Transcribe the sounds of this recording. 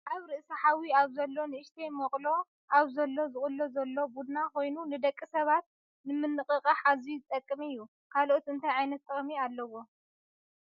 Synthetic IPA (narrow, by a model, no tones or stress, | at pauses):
ʔaβɾɨʔsɐħawiaβzɐlːo̞nɨʔɨʃt̪ʰejmɐkʼlo̞ | ʔaβzɐlːo̞zɨχʼɨlːozɐlːo̞bud̪nakʰo̞jnunɨd̪ɐkʼːisɐβat̪̚ | nɨmɨnːɨkʼɨkʼɐħazizɨt̪ʼɐkʼːɨmɨjːu | kʰalʔot̪ɨnt̪ʰajʕajnɐt̪ʰʼːɨχʼmialːɐwo̞